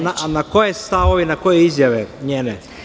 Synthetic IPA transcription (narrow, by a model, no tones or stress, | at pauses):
naʔnako̞jest̪aʋoʋinakojeizjaʋeɲeːne